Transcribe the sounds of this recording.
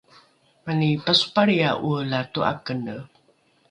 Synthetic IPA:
manipasu̥paɾiaʔulatua̰kənə

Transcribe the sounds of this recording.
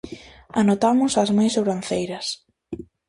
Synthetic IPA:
anot̪amʊsɐzmãjsowɾan̟θejɾɐs

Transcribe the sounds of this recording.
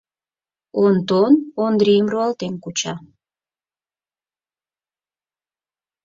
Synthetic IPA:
ont̪onond̪ɾiəmruɑlt̪enkut͡ɕɑ

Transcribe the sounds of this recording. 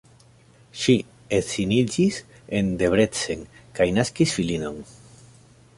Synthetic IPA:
ʃi | esinid͡ʒis | e̞nd̪e̞βɾe̞t͡se̞ŋkajnaskisfilino̞ŋ

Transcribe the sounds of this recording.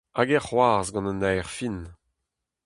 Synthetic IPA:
aɡɛʁhwaːʁzɡɑ̃nənɛːʁfin

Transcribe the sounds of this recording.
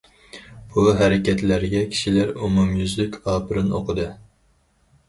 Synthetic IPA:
b̥uɦæɾɪkʲɛt̪læɾɡʲɛkʲʰi̥ʃilæɾumumjyzlykʲɑːpʰɨɾɨno̰qʰəd̪ɨ

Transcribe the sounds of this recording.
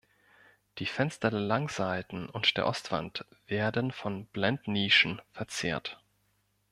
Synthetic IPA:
d̥iːfɛnstɐdeːɐlaŋzaɪtn̩ʊntd̥eːɐʔɔstv̥a̰ntv̥eːɐdənfɔnb̥lɛntniːʃn̩fɛɐt͡sḛːɐt

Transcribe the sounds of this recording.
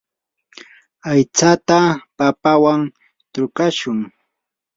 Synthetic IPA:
ajt͡sat̪apapawaŋ | t̪ʊkaʃʊŋ

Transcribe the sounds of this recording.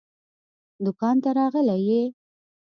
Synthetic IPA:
d̪ʊkɑnt̪aɾɑɣəleje

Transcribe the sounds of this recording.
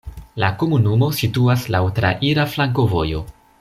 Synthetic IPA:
lako̞munumo̞situaslawtɾa̰ʔiɾaflaŋk̬o̞vo̞̰jo̞̰

